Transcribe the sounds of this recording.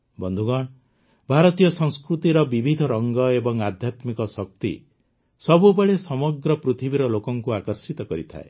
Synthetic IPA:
bɔnd̪ʱuɡɔɳ | bʱaɾɔt̪ijɔsɔ̃ŋskɾut̪iɾɔbibʱid̪ʱɔɾɔŋɡɔebɔŋad̪ʱjat̪mikɔsɔk̚t̪ḭ | sɔbubɔɽesɔmɔɡɾɔpɾut̪ʰibiɾɔlokɔŋkuakɔɾsit̪ɔkɔɾḭt̪ʰa̰ḛ

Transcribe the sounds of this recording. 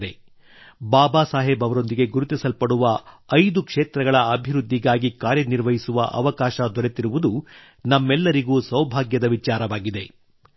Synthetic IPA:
d̪e̞ | baːbaːsaːɦebɐʋɐɾo̞nd̪iɡe̞ɡuɾut̪isɐlpɐɽuʋɐɐjd̪ukʂeːt̪ɾɐɡɐɭɐɐbʱiɾud̪ʱːiɡaːɡikaːɾjɐniɾʋɐɦisuʋɐ̰ʔɐ̰ʋɐkaːʃɐd̪ɔɾe̞t̪iɾuʋud̪u | nɐmːɛlːɐɾiɡuːsɐwbʱaːɡjɐd̪ɐʋit͡ʃaːɾɐʋaːɡid̪e̞

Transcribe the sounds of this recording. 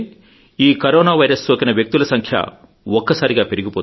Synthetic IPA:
iːkɐɾoːnaːʋɐjɾɐsːoːkɐnɐʋjɐk̚t̪ulɐsɐŋkʰjɐ̰ | ɔkːɐsaːɾiɡaːpe̞ɾiɡipoː

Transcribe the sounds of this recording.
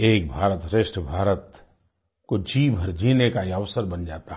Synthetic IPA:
eːk̚bʱaːɾət̪ɾɪʃʈəbʱaːɾət̪ | kod͡ʒiːbʱəɾd͡ʒʱiːnekaiəʋsəɾbɐnd͡ʒaːt̪aɦ

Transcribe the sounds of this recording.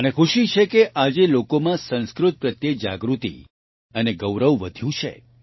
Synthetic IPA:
ənekʰuʃit͡ʃʰekeʔad͡ʒelokomãsə̃nskɾʊt̪̚pɾət̪jed͡ʒa̰ɡɾut̪ḭ | əneɡəwɾəʋʋəd̪ʱjũt͡ʃʰḛ

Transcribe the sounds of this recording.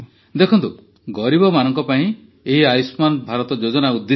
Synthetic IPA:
d̪ekʰɔnt̪u | ɡɔɾibɔmanɔŋkɔpaĩ | eɦiajsmanbʱaɾɔt̪ɔd͡ʒod͡ʒɔnaud̪ːe

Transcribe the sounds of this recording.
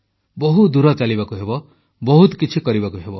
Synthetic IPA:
bɔɦud̪uɾɔt͡ʃalibakuɦebɔ | bɔɦut̪kit͡ʃʰikɔɾibakuɦebɔ

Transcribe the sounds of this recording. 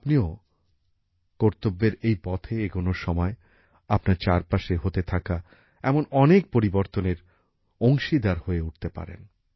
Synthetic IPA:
apnio | koɾt̪obːeɾejpɔt̪ʰeeɡonoʃɔmɔe | apnaɾt͡ɕaɾpaʃeɦot̪et̪ʰaka | ɛmonɔnek̚poɾiboɾt̪oneɾ | oŋʃid̪aɾhoeuʈ̚ʰt̪epa̰ɾḛn

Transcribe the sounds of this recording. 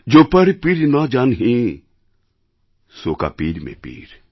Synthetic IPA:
d͡ʒoːpɐɾpiɾnad͡ʒaːnɦĩ | soːka̰piːɾmḛ̃pḭːɾ

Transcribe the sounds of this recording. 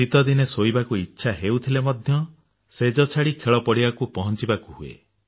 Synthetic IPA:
it̪ɔd̪inesoibakuitːʃʰaɦewt̪ʰilemɔd̪ʱjɔ | sed͡ʒɔt͡ʃʰaɽikʰeɭɔpɔɽibakupɔɦɔnt͡ʃibakuɦuḛ

